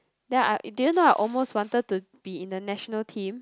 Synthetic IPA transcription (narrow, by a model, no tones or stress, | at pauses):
dɛ̃na̰dijũnoaɪʔɔlmoswɔ̃ntəd̚tu | b̥iĩndənɛʃɔnəltʰĩm